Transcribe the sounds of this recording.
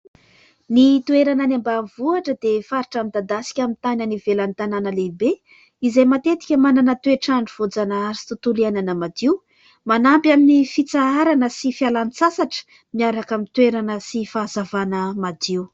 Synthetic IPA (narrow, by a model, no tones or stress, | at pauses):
nit̪ueɾananambavuaʈ͡ʂəd̪efaɾiʈ͡ʂamid̪ad̪asi̥kʲamint̪anənivelant̪ananəlebe | izajmat̪et̪i̥kʲəmananət̪ueʈ͡ʂaɳɖ͡ʐuv̥od͡zanaazi̥t̪ut̪uliananəmad̪iw | manampjaminifit͡saaɾanəsifialant͡sasaʈ͡ʂə̥ | miaɾakamint̪ueɾanəsifaːzavanəmad̪iw